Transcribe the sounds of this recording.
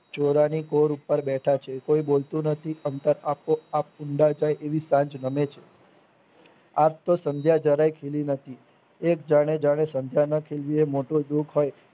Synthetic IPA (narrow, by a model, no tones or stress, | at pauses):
t͡ʃoɾanikoɾupːəɾbɛʈʰat͡ʃʰekoibolt̪ũnət̪ʰiənt̪əɾapoap̚ʊɳɖad͡ʒajʔeʋisãɲd͡ʒnəmet͡ʃʰe | ap̚t̪osə̃nd̪ʱjad͡ʒəɾajkʰelinət̪ʰi | ekd͡ʒaɽ̃ed͡ʒaɽ̃esənd̪ʱjanəkʰelʋiemoʈod̪ukɦoj